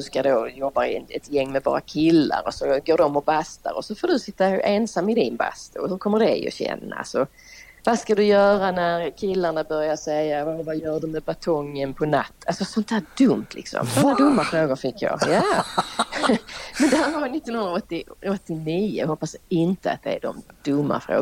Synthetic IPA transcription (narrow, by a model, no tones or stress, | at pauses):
d̥̪ɵskad̪oːjɔbːaɾɪ̰ɛt̪jɛŋːmɛvɑ̰ːɾa̰kʰɪlːa̰ɾɔsɔɡoːdɔmːɔbast̪a̰ɾɔ̰sɔfoːɖɵsɪt̪ːaeːnsamːɪd̪ɪnba̰st̪ʊhɵɾkʰɔmːəɖɛɔ̰ɕɛ̰nːa̰sɔ | vaskad̪ɵjœːɾanæɾkʰɪlːaɳabœɾjasɛjːavavajœːɖɵmɛbat̪ʰɔŋːənpʰɔnat̪ːalsɔsɔnt̪hæːdɵmt̪ʰlɪ̰ksɔ̰msɔad̪ɵmːafɾoːɡʊɾfɪkʰːjɑ̰ːjaː | mɛnd̪ɛhæːɾvaɾvɪnɪt̪ːɔnhɵnɾaɔt̪ːɪɔt̪ːɪniːə̰ɦɔpːasɪnt̪əa̰t̪̚d̪ɛ̰æ̰ɖɔ̰md̪̥ɵmːa̰fɾo̰ː